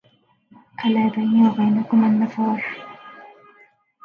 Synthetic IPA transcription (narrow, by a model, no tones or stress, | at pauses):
ʔalaːbajniːwabajnakʊmʔanːɑfɑːɾˤ